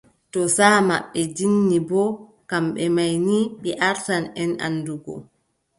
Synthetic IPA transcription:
tɔsama̰ɓːɛd͡ʒinːibɔ | kamɓɛmajniɓɛʔaɾtanɛna̰nːduɡɔ̰

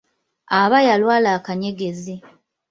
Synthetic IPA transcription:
aβajalwaːlaːkaɲe̞ɡezi

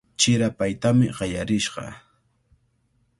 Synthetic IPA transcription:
t͡ʃɪɾapajt̪amɪɢɑjaɾɪʃɢɑ̰

